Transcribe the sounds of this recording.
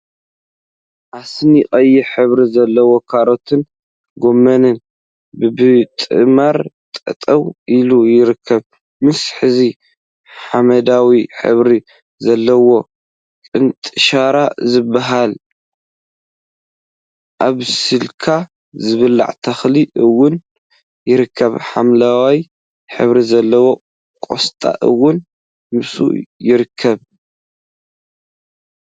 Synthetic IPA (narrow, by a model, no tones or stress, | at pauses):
ʔasniχʼɐjiħɨβɾizɐlːɐwo̞kʰaɾo̞t̪ʰɨn | ɡo̞mːɐnɨn | bɨbɨt̪ʼɨ̰maɾt̪ʼɐ̰t̪ʼɐwʔilujɪɾɨkʰːɐβ | mɨsħɨzi | ħamɐd̪awiħɨ̰βɾi | zɐlːɐwo̞ | kkʼɨnt̪ʼɨʃaɾazɨbːaɦal | ʔaβsɨlkʰa | zɨβɨlːa̰ʕt̪ʰɐxliʔɨwːʊn | jɪɾɨkʰːɐβħamlawaj | ħɨ̰βɾizɐlːɐwo̞ | kʼo̰st̪ʼa̰ʔɨwːʊn | mɨsṵjɪɾɨkʰːɐβ